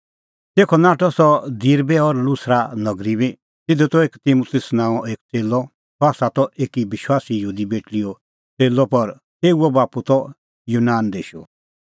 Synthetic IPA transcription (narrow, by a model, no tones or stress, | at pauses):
t̪eːkʰɔnaːʈɔsɔd̪iɾbɛɔɾlusɾanɐɡɾibi | t̪ɪd̪ut̪ɔeːkt̪imut̪ɪsnãːɔʔeːk̚t͡seːlɔ | tɔaːsat̪ɔʔeːkibɪʃwaːsijəɦuːd̪ibeːʈliɔ | t͡seːlːɔpɐɾ | t̪eːuɔbaːput̪ɔ | juːnaːnd̪eːʃu